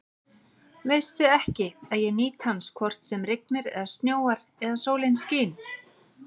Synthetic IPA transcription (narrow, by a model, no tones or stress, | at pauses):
veːjst̪ʏɛhcɪaðjɛniːt̪hanskʰvɔr̥t̪sɛmrɪk̚nɪɾɛ̰ðast̪njoːwaɾ | ɛðasoːwlɪnsciːn